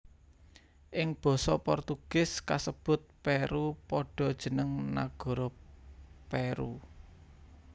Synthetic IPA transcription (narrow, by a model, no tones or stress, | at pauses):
ʔɪŋb̥ɔ̤sɔpɔrt̪uɡ̥ɪ̤skasəb̥ʊ̤t̪̚peɾupɔɖ̥ɔ̤d̥ʒ̥ə̤nəŋna̰ɡ̥ɔ̤ɾɔ | peɾu